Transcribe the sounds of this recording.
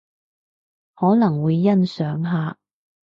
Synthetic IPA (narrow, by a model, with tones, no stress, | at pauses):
hɔː˨˥nɐ˨˩ŋwuː˨˧jːɐ˥nsœː˨˥ŋɦaː˨˧